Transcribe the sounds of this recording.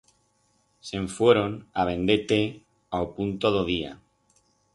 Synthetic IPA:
seɱfweɾonaβ̞ẽ̞nd̪et̪e | aopunt̪oðoðia̰

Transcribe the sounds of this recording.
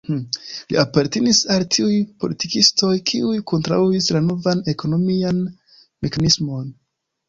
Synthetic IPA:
hlḭʔapaɾtenisaltʰiujpo̞̰litikisto̞jkʰiujkʰo̞ntɾa̰uislano̞vane̞ko̞no̞mian | mikanismo̞n

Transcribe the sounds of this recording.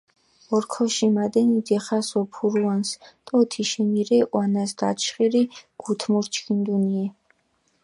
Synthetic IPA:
ɔɾkʰɔʃimad̪ɛnid̪ɛχasɔpʰuɾuanst̪ʼɔt̪ʰiʃɛniɾɛʔwanasd̪a̰t͡ʃʰχiɾiɡ̥ut̪ʰmuɾt͡ʃʰkʰind̪uniɛ

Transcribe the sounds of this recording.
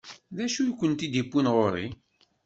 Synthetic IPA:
ðæʃujkʷːənt̪id̪ipːinʁoɾḭ

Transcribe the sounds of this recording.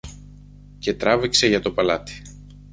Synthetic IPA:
ce̞t̪ɾɐvikse̞ʝɐt̪o̞pɐlɐt̪i̥

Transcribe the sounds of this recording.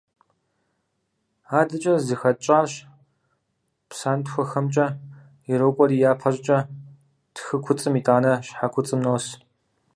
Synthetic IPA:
aːdɨt͡ʃʼɐzɨxɐt͡ʃʼaːrɕ | psaːntxʷɔxɐmt͡ʃʼɐ | iɾowkʷʼɔrijaːpʰɐɕʼt͡ʃʼɐ | tʰxɨkʷʰʊt͡sʼɨmiːtʼaːnɐɕħakʷʰʊt͡sʼɨmnɐws

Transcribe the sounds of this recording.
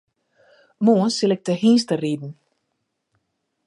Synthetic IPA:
muənsɪlɛk̚təɦiːnstəriːdn̩

